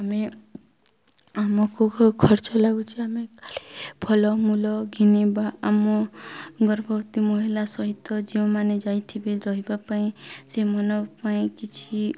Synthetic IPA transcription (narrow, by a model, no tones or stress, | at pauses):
ame | amɔkokʰɔɾt͡ʃɔlaɡut͡ʃʰiamekali̥pʰɔlɔmulɔɡʱinibaʔamɔɡɔɾbʱɔwt̪imɔɦilasɔɦit̪ːɔd͡ʒiɔ̃maned͡ʒait̪ʰibiɾɔɦibapaĩsemɔnɔpaĩkit͡ʃʰi